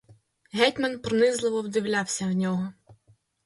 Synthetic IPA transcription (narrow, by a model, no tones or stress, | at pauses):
ɦɛtʲmɐnpɾɔnɪzlˠɪʋɔwd̪ɪwlʲawsʲɐwnʲɔɦɔ